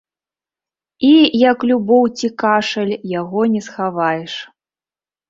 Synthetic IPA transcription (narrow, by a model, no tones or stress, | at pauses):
ijɐklʲubɔwt͡sʲikaʂɐlʲjaɣɔnʲɛsxavajɛʂ